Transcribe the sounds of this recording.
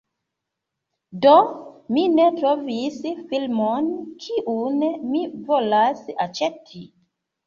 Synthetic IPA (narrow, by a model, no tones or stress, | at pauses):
dominetɾovisfilmonkʰiʔunmivolasat͡ʃetʰi